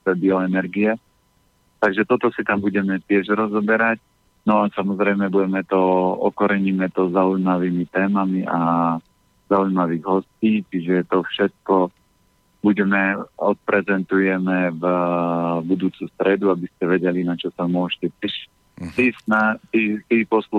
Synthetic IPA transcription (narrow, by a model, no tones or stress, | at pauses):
t̪ɛbiɔɛnɛɾɡiɛ | t̪aɡʒɛt̪ɔt̪ɔsit̪ambuɟɛmɛt̪ɪɛʒɾɔzɔbɛɾac | nɔasamɔzɾɛɪmɛbuɟɛmɛt̪ɔɔkɔɾɛɲimɛt̪ɔzaujmaʋiːmit̪ɛːmamiʔa | zaujmaʋiːɣɦɔsciːt͡ʃiʒɛt̪ɔfʃɛt̪̚kɔ | buɟɛmɛɔt̪̚pɾɛzɛnt̪ujɛmɛv | bud̪uːt͡sust̪ɾɛd̪uabiscɛʋɛɟɛlinat͡ʃɔsamʊɔʃcɛtɛʃ | t̪isnat̪it̪iːpɔslu